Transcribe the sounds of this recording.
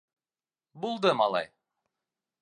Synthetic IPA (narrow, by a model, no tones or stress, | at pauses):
bulˠd̪ɤmɑlˠɑ̰j